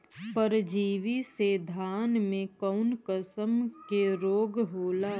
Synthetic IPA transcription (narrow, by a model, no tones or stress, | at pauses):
pəɾd͡ʒiːʋised̪ʱaːnmẽkɔʊnkəsəmkeɾoːɡɦoːla